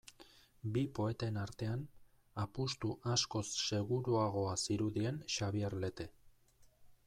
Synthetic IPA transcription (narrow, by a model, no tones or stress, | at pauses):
bipo̞e̞t̪e̞naɾt̪e̞an | apust̪uʔasko̞sːe̞ɣuɾuaɣ̞o̞asiɾuðie̞nʃaβieɾle̞t̪e̞